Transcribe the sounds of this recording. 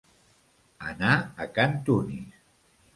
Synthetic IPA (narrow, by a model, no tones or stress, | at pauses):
ə̰naəkant̪uni